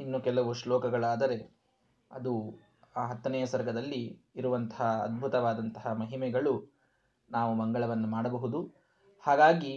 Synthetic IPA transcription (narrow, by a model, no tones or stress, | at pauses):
inːukɛlɐʋuʂlɔːkɐɡɐɭaːd̪ɐɾe̞ | ɐd̪u | aːɦɐt̪ːɐnɛjɐsɐɾɡʱɐd̪ɐlːiː | ɾuʋɐnt̪ɐ̥ɦɐɐ̰d̪̚bʱut̪ɐʋaːd̪ɐnt̪ɐɦɐmɐɦimɛɡɐɭu | naːʋumɐŋɡɐɭɐʋɐnːumaːɽɐbɐɦud̪u | haːɡaːɡi